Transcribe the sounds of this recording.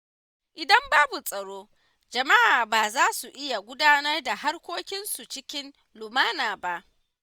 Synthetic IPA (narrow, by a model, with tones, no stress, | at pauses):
ʔɪ˨dɐ˦mbaː˦bu˨sʼɐ˨ɽoː˦ | d͡ʒɐ˨ma˦ʔaː˨baː˨zaː˦su˨ʔɪ˦ja˨ɡʷʊ˦daː˦nɐ˦rda˨ha˦rkʷoː˦kʲɪ˦nsu˨t͡ʃɪ˦kʲɪ˦n | lʊ˨maː˦naː˨ba˦ʔ